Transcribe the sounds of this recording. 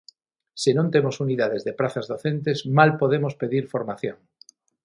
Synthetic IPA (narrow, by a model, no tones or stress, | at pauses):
senõnt̪emosuniðað̞ezðepɾaθazðoθent̪̬ezmalpoð̞emospeðiɾfoɾmaθjõŋ